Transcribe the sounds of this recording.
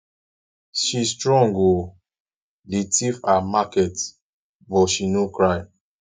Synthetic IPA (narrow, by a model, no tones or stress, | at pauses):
ʃistɹɔ̃ŋɡo | letʰifamakɛt | bɔʃinokɹaɪ